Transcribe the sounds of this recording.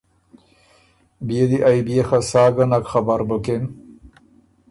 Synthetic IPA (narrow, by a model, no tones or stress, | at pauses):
bijed̪iʔajbijexasaːɡanakxabaɾbukem